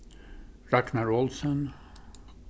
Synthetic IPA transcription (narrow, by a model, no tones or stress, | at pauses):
ɾaknaɾɔlsən